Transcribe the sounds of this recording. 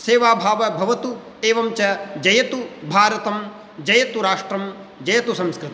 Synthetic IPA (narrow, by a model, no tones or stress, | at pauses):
seːʋaːbʱaːʋɐbʱɐʋɐt̪u | eːʋɐmt͡ʃɐd͡ʒɐjɐt̪ubʱaːɾɐt̪ɐm | d͡ʒɐjɐt̪uɾaːʂʈɾɐmd͡ʒɐjɐt̪usɐ̃mskɾɨt̪i